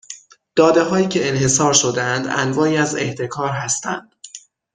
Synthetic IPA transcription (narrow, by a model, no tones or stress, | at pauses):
d̪̥ɒːd̪e̞ɦɒːjiːcʰe̞enhe̞sɒːɾʃod̪eænd̪æ̰nvɒːiːæzeht̪ʰe̞kʰɒːɾɦæst̪ʰæ̰nd̪̥